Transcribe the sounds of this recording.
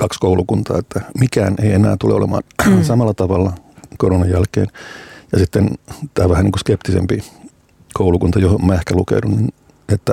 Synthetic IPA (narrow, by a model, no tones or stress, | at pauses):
kɑkskoulukunt̪ɑ̰ːet̪ːæmikæːnʔeienæ̰ːt̪ulḛolḛmɑ̰ːnsɑmɑlːɑt̪ɑʋɑlːɑkoɾonɑjjælkḛːnjɑsit̪ːent̪æːʋæhæniːŋkuskept̪isḛmpi | kʰoulukunt̪ɑjohommæehkælukḛdunnin | et̪ːæ